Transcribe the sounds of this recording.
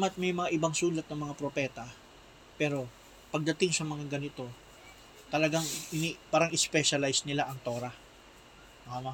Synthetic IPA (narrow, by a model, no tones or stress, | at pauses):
mɐt̪̚mɐjmɐŋaʔɪbaŋsuːlɐt̪̚nɐmɐŋapɾopɛːt̪ɐ | pɛːɾo̞ | pɐɡ̚d̪ɐt̪ɪŋsɐmɐŋaɡɐnɪt̪o̞ | t̪ɐlɐɡaŋɪnipaːɾɐŋɪspɛʃɐlajsnɪlaʔɐŋt̪o̞ːɾɐ | amɐ